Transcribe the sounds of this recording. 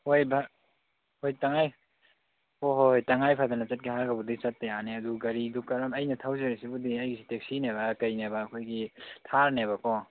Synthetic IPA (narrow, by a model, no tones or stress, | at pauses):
hojbʱa | hojtaŋaj | hoɦojtɐŋajpʰadanɐt͡ʃɐt̚ɡiɦaɾɡɐbudit͡ʃɐt̚ːɐjaneɐduɡɐɾidukɐɾɐmɐjnɐtʰawzeɾisibudiɐjɡisitek̚sineβakɐjnebaːkʰojɡitʰaɾneβakɔ